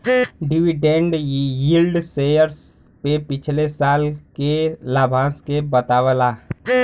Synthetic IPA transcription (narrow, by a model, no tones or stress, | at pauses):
ɖiʋiɖẽɳɖjilɖseːjəɾs | pepɪt͡ʃʰlesaːlkelaːbʱãːskebət̪aːʋəla